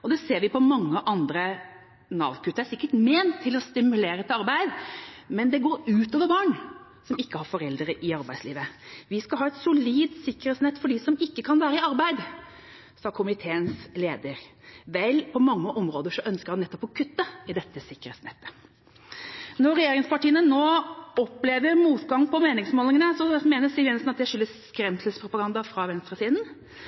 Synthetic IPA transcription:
ɔd̪ɛseːɾʋɪpʰɔmɑŋːəʔɑnd̪ɾə | nɑ̰ːʋkʉt̪ːəɾæsɪkːəʈmeːnt̪ʰːɪlɔst̪ɪmʉleːɾət̪ɑɾbæɪd̪mɛnd̪ɛɡoːɾʉːt̪ɔːʋəɾbɑːɳ | sɔmɪkːəhɑɾfɔɾɛld̪əɾəʔɪɑɾbæɪslḭːʋəʋɪskɑlɦɑːɛt̪sʊliːd̪sɪkːəɾɛt̪snɛt̪ːfɔɖɪsɔmɪkːəkʰɑnʋæːɾəɪɑɾbæɪd̪ | sɑːkʰʊmɪt̪ʰeːənsleːd̪əɾʋɛlpʰɔmɑŋːəʔɔmɾoːd̪əʂɔœnskəɾhɑnːɛt̪ːɔpɔkʰʉt̪ːəɪd̪ɛt̪ːəsɪkːəɾɛ̰t̪snɛ̰t̪ːə̥ | nɔɾɛjeːɾɪŋspɑʈiːənənoːɔpleːʋəɾmuːt̪ɡɑŋːpʰɔmeːnɪŋsmoːlɪŋənəsɔmeːnəsɪlʋɛnsnɑt̪̚d̪ɛʂʏlːəskɾɛmsəspʰɾʊpɑɡɑnd̪ɑfɾɑʋɛnst̪ɾəsiːd̪n̩

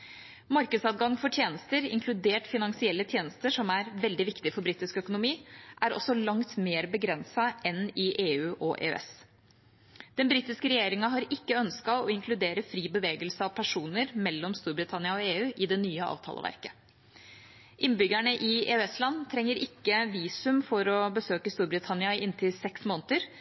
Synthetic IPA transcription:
mɑɾkəd̪sɑɡɑŋːfɔʈʰjeːnəst̪əɾɪ̰ŋkʰlʉd̪eːʈfɪnɑŋsɪɛlːət̪ʰjeːnəst̪əʂɔmæɾʋɛld̪ɪʋɪkt̪ɪfɔɾbɾiːt̪ɪskœkʊnʊmiːʔæɾɔ̰sːɔlɑŋt̪meːɾbəɡɾɛnsɑʔɛnɪʔeːʉːʔɔʔḛːɛ̰s | d̪̥ɛnbɾiːt̪ɪskəɾɛjeːɾɪŋɑɦɑɾɪkːəœnskɑʋɔɪŋkʰlʉd̪eːɾəfɾiːbəʋeːɡəlsəɑʋpʰæʂuːnəɾmɛlːɔmst̪uːɾbɾɪt̪ʰɑnɪɑɔeːʉːʔɪd̪ɛnyːəɑ̰ːʋt̪ʰɑ̰lə̰ʋæ̰ɾkə̥ | ʔɪnːbʏɡæɳəʔɪḛːøɛslɑnːt̪ʰɾɛŋːəɾʔɪkːəʋiːsʉmfɔɾɔbəsøːkəst̪uːɾbɾɪt̪ʰɑnɪɑɪnt̪ʰɪlsɛksmoːnət̪əɾ

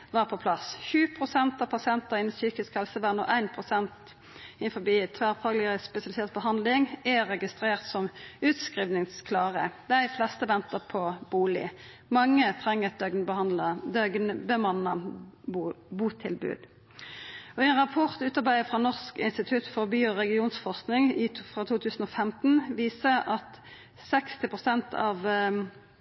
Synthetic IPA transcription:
ʋɑːʁpʰɔpʰlɑsçʉːpʰʁʊsɛnt̪ɑpʰɑsɛnt̪ɑɪnsyːkɪskhɛlsəʋæːʁnɔ̰ːʔæɪnpʰʁʊsɛnt̪ | ɪnfɔbiːt̪ʰʋæːʁfɑːɡlɪəəspɛsɪɑlɪseːt̪bəɦɑnd̪lɪŋæʁɛɡɪst̪ʁeːʁt̪sɔmʉːt̪skʁiːʋnɪŋskʰlɑːʁəd̪æɪflɛst̪əʋɛnt̪əʁpʰɔb̥uːlɪ̰ | mɑŋːət̪ʰʁɛŋːəɡnbɑləd̪œɡnbəmɑnə | buːt̪ʰɪlbʉ̰ːd̪̥ | ɔɛnʁɑpʰɔʁt̪ʉːt̪ɑʁbæɪəfʁɑnɔʁskɪ̰nst̪ɪt̪ʰʉt̪fɔʁbyːɔʁɛɡɪuːnsfɔʁsknɪŋɪfʁɑːt̪ʰuːt̪ʰʉːsn̩ɔːfɛmt̪n̩ʋiːsəɑt̪ | sɛkst̪ɪpʰʁʊsɛnt̪ʰɑ̰ːʋ

